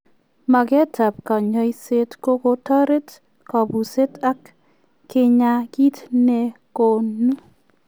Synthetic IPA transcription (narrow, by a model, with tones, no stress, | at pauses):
ma˨kɛ˦tʰa˨p̚ka˨ɲɔ˦jse˦tko˦ko˦tɔ˦ɾe˦t | kɔ˨bu˨se˦ta˦kː | ɪ˦ɲa˦ki˦tnɛ˦ko˨nu˦